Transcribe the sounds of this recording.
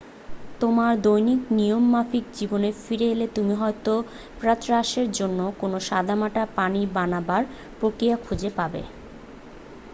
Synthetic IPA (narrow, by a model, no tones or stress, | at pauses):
t̪omaɾd̪ojniknijomːafik̚d͡ʑibonefiɾelet̪umiɦɔet̪o | pɾat̪ɾaʃeɾd͡ʑonːokonoʃad̪ʱamaʈapanibanabaɾ | pɾokɾijakʰud͡ʑepabḛ